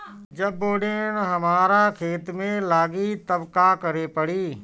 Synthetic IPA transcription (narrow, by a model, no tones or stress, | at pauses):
d͡ʒɐboːɽeñɦɐmaːɾakʰeːt̪mẽlaːɡit̪ɐbkakɐɾepəɽiː